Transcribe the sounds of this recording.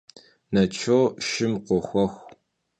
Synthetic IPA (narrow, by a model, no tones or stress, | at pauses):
nɐt͡ʃʰoːʃɪmqʷɔxʷɔxʷ